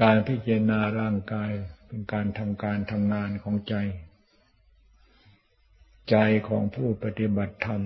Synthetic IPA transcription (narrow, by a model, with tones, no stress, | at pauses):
kaː˧npʰi˦˥t͡ɕa˧ɾa˧naː˧ɾaː˥˩ŋkaː˧jpe˧nkaː˧nt̪ʰa˧mkaː˧nt̪ʰa˧mŋaː˧nkʰɔː˩˦ŋt͡ɕa˧j | t͡ɕa˧jkʰɔː˩˦ŋpʰuː˥˩pa˧t̪i˧˥ba˨˩t̪ʰːa˧m